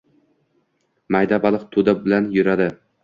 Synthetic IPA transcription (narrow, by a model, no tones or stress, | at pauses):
majd̪abɒlˠɨqt̪ʰʊd̪abɪlanjʊɾad̪ɪ